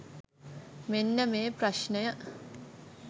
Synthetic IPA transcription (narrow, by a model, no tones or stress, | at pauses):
menːəmeːprɐʃnəjə